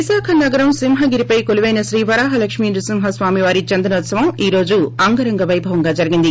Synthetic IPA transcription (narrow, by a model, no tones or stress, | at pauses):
isaːkʰɐnɐɡɐɾɐmsimɦɐɡiɾipɐjkoliʋɐjnɐsɾiːʋɐɾaːɦɐlɐkʂmiːnd͡ʒusimɦɐsʋaːmiʋaːɾit͡ʃɐnd̪ɐnɐʋɐt̪sɐʋɐmiːɾo̞ːd͡ʒuɐŋɡɐɾɐŋɡɐʋɐjbʱɐʋɐŋɡaːd͡ʒɐɾiɡind̪i